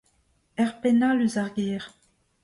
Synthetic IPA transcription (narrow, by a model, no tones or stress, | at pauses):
ɛʁpenaləzaʁɡɛːʁ